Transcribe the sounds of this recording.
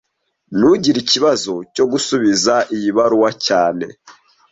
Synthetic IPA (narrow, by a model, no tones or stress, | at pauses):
nuɟiɾiciβazo̞co̞ɡusuβizaʔijiβaɾuwacaːne̞